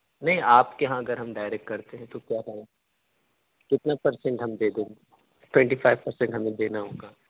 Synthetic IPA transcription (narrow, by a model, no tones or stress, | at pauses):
nɐɦĩʔaːpkeɦãɐɡəɾɦɐmɖaːɪɾek̚ʈkɐɾt̪eɦɛ̃t̪okjaːkɐɦa | kɪt̪napɐɾsɛ̃ɳʈɦɐmd̪eːd̪ẽːɡ | ʈwɛ̃ɳʈifʰaːɪʋpɐɾsɛ̃ɳʈɦɐmẽd̪eːnaɦõːɡaː